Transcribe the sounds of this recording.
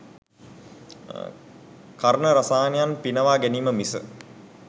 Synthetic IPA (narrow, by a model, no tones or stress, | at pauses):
kaɾənəɾasaːnejanpinəʋaːɡæniːməmisə̰